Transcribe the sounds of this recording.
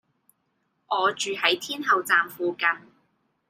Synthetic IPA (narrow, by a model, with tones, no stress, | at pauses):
ʔɔː˨˧t͡ʃyː˨hɐ˨˥jt̪ʰiː˥nɦɐ˨wt͡saː˨mfuː˨kɐ˨˧n